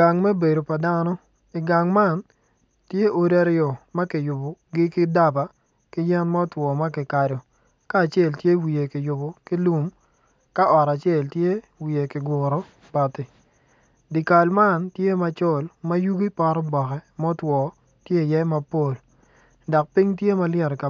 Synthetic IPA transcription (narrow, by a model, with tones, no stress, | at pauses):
a˨ŋmɛ˦be˨do˨pa˨da˦nɔ˦ | i˨ɡa˨ŋma˦˨n | tje˦ʔo˨da˦ɾɪɔ˨mɐ˦kɪ˨jʊ˨bɔ˨ɡɪ˦kɪ˦da˦ba˨ | kɪ˦jɛ˦nmɔ˦twɔ˨ma˦kɪ˨ka˨ɾo˨ | kaː˦˨t͡ʃe˦˨ltje˦wi˨e˨kɪ˨jʊ˨bo˨kɪ˦lu˦m | ka˦ʔɔ˨ɾa˨t͡ʃe˦˨ltje˦ | wi˨e˨kɪ˨ɡʊ˨ɾɔ˨˦ | pa˨tɪ˨ | di˨ka˨lma˦˨ntje˦ma˨t͡ʃɔ˦˨lmɐ˦ju˦ɡi˦pa˦ɾɔ˦bɔ˨kɛ˨mɔ˦twɔ˨ | tje˦i˨jɛ˦ma˦po˦˨l | dɔ˨k̚pi˦ŋtje˦ma˦ljɛ˦˨ɾka˨